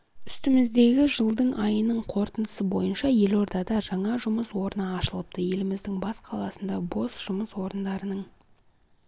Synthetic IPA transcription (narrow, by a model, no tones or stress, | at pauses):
ʏst̪ɪmɪzd̪e̞ɡʲɪʒəlˠd̪əɴʔɑjənəɴqʰo̞ɾt̪ənd̪əsəbo̞̰jənʃɑje̞lo̞ɾd̪ɑd̪ɑʒɑɴɑʒʊməswo̞ɾənəːʃəlˠəp̚t̪əje̞lɪmɪzd̪ɪŋbɑsqʰɑlˠɑsənd̪ɑbo̞sʒ̥ʊməswo̞ɾənd̪ɑɾənəɴ